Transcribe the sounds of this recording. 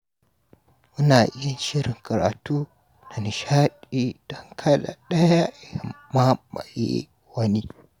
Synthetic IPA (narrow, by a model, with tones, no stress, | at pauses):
mu˦na˨ʔi˦ja˦n˦ʃi˦ɾi˨ŋka˨ɾa̰˨tu˦ | na˨ni˨ʃa˦ɗi˦d̥o˦ŋkʰa˦la̰˨ɗɐ˦ja˦˨ja˨ma˦ma̰˨jḛ˦ | wɐ˦ni˦